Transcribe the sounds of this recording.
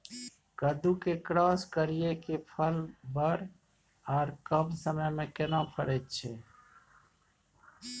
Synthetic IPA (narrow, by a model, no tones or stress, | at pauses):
kəd̪ukekɾaːskəɾijekepʰəlbəɾ | ɔːɾkəmsəməjmẽkɪnapʰəɾeːt̪t͡ʃʰeː